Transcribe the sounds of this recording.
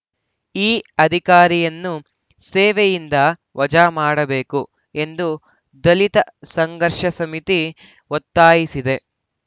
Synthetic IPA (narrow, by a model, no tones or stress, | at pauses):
iːɐd̪ʱikaːɾijɐnːu | seːʋejind̪ɐʋɐd͡ʒaːmaːɽɐbe̞ːku | e̞nd̪u | d̪ɐlit̪ɐsɐŋɡɐɾʂɐsɐmit̪i | ɔt̪ːaːjisid̪e̞